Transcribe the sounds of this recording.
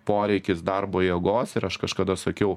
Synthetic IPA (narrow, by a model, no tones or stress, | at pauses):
poːɾʲɛɪkʲɪsd̪ɐrboːjɛːɡoːsɪɾɐʃkɐʃkɐd̪ɐsɐkʲɛʊ